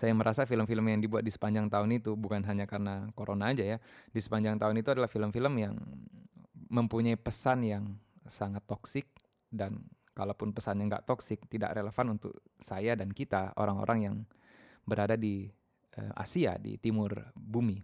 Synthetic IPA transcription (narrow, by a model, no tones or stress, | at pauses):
sajaməɾʔasafiləmfiləmjaŋdibuat̪̚disə̥paɲd͡ʒaŋt̪aʊnit̪ubukanɦaɲakarənakoɾʔonaːd͡ʒajadisə̥paɲd͡ʒaŋt̪aʊnit̪uadalahfiləmfiləmja̰ŋ | məmpuɲaipəsanjaŋsaŋat̪ːoksɪk̚ | dan | kalapʊnpəsanjaŋɡa̰ʔt̪oksɪk̚t̪ida̰ʔreləfanunt̪ʊ̰k̚sajadankit̪ao̰ɾaŋo̰ɾʔaŋjaŋ | bəɾadadi | ə̰mʔa̰sia̰dḭt̪imʊrbumi